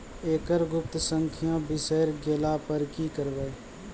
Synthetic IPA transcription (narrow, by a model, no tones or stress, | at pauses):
eːkəɾɡʊp̚t̪səŋkʰɪjãːbɪseːɾɡeːlaːpəɾkiːkəɾʋeː